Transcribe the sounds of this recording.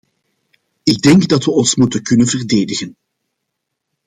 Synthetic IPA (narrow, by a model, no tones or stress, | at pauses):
ɪɡ̚dɛŋɡdɑtʋəɔnsmutənkɵnənvərdeːdəɣən